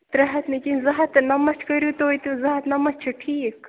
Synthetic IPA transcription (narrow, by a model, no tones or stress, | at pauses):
t̪ɾɐɦɐt̪nikʲinzɐɦɐt̪nɐmɐt͡ʃʰkɐjɾut̪oit̪uzɐɦɐt̪nɐmɐt͡ʃʰuʈʰiːk